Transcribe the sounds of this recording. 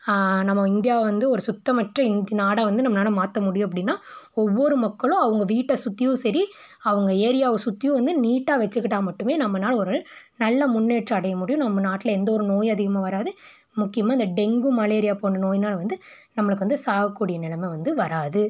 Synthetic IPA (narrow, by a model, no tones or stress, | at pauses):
nɐmːɐɪnd̪ɪjaːʋɐnd̪ɯɔɾɯsʊt̪ːɐmɐʈrɐɪnd̪naːɽaːʋɐnd̪ɯnɐmːɐnaːɭɐmaːt̪ːɐmʊɽɪjʊ̃ɐp̬ːɐɽɪnːaːɔʋːɔɾɯmɐkːɐɭõɐʋɐŋɡɐʋiːʈːɐsʊt̪ːɪjʊ̃sɐɾi | ɐʋɐŋɡɐeːɾɪjaːʋɯ̃sʊt̪ːɪjʊ̃ʋɐnd̪ɯniːʈːaːʋɛt͡ʃːɯkːɪʈːaːmɐʈːɯmeːnɐmːɐnaːlɔɾɯnɐlːɐmʊnːeːʈrɐɐɽɐjɐmʊɽɪjʊ̃nɐmːɐnaːʈːɪlɐɛnd̪ɐɔɾɯnoːjɐðɪɣɐmãːʋɐɾaːðɯ | mʊkːɪjɐmaːɪnd̪ɐɖɛŋɡɯmɐleːɾɪjaːpoːɳɖɐnoːjnaːlʋɐnd̪ɯ | nɐmːɐɭɯkːɯʋɐnd̪ɯsaːʋɐkːuːɽɪjɐnɪɭɐmɛʋɐnd̪ɯʋɐɾaːðɯ